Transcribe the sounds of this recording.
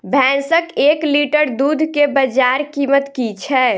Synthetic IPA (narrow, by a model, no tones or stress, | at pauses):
bʱɛ̃ːnsəkeːkliːʈəɾd̪uːd̪ʱkebəd͡ʒaːɾkiːmət̪kit͡ʃʰɛ